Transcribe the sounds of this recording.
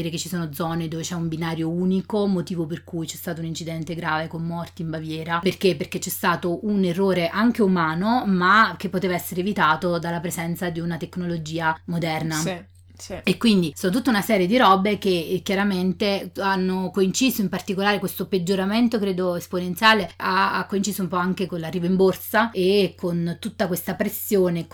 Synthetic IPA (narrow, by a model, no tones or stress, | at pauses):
ɾeket͡ʃːisoːnod̪zɔned̪oːvet͡ʃɛumbinaːɾjouːnikomot̪iːvoperkujt͡ʃɛst̪aːt̪ounint͡ʃid̪ɛnt̪eɡɾaːvekonːɔrt̪iːmbavjɛːɾaperk̟epːerket͡ʃːɛst̪aːt̪oʔunerːoːɾeʔaŋk̟eumaːnomak̟epːot̪eːvaɛsːeɾevit̪aːt̪od̪alːapɾezɛnt̪sad̪iunat̪ekːnolod͡ʒiːamod̪ɛrna | ekːwind̪isoːnot̪ut̪ːaunasɛːɾjed̪iɾɔbek̟ekjaɾament̪eanːokoint͡ʃiːzoimpart̪ikolaːɾekwest̪oped͡ʒːoɾament̪okɾeːd̪oesponent̪sjaːleaa̰kːoint͡ʃiːsoumpɔaŋkekonlarːiːvoimborsaekont̪ut̪ːakwest̪apɾesːjoːne